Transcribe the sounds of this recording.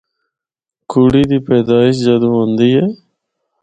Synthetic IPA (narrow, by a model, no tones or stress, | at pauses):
kʰuːɽiːd̪iːpɛːd̪aːɪʃ̬d͡ʒaːd̪ũːɦõːnd̪iːɦɛː